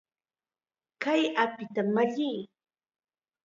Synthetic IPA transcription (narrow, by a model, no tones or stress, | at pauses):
kajapɪt̪amaʎij